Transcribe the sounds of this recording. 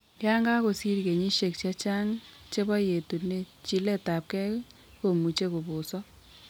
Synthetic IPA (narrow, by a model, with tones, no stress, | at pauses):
kɛ˦a˦ŋɡa˦ko˨si˦ɾke˨ɲi˦ʃe˨k̚t͡ʃa˦t͡ʃa˦ŋ | t͡ʃe˦bɔ˦je˨tu˨ne˦˨ | t͡ʃi˦le˦ta˨p̚kɛ˦k | ko˨mu˨t͡ʃe˦ko˨bʊ˨sɔ˦